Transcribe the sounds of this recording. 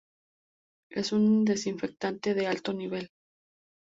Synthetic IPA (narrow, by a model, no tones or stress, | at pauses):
e̞sund̪e̞siɱfe̞k̚t̪ant̪e̞ðe̞alt̪o̞niβ̞e̞l